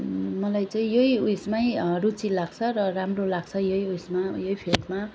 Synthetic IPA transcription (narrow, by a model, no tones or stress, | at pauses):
mʌlajt͡saĩjojujsmajrut͡silaɡ̚t͡sʰʌrʌramrolaɡt͡sʰʌjʌjujsmajʌjpʰelʈma